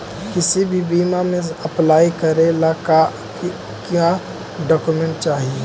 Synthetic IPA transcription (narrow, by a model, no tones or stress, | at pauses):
kɪsibʱibiːmamẽɐplaːikəɾelaka | ka | ɖɔːkumẽɳʈt͡ʃaːɦie